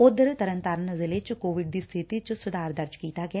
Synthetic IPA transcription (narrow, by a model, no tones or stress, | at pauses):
ʊd̪ɾt̪əɾə̃nt̪aɾənzɪlet͡ʃkoːʋɪɖ̚d̪iːst̪ʰɪt̪it͡ʃsʊd̪ʱaːɾd̪əɾd͡ʒkiːt̪aɡa